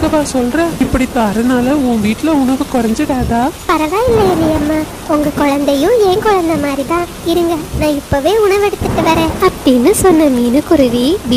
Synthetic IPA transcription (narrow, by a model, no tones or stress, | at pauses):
kɐbaːsɔlrɛ̃ːɪpːɐɽit̪ːaɾɐnaːlɐʊ̃ːʋiːʈːɪlɐʊɳɐʋɯkɔɾɐɲd͡ʒɯɽaːðaːpɐɾɐʋaːjɪlːɐɪlːɐjamːaː | ʊŋɡɐkɔɻɐnd̪ɐjʊ̃eːŋkɔɻɐnd̪ɐmaːd̪ɾit̪ãː | ɪɾɯŋɡɐnãːɪpːoːʋeːʊɳɐʋɛɽɯt̪ːɯʈːɯʋɐɾẽːɐpːɐɽinːɯsɔnːɐmiːnɯkʊɾʊʋiʋ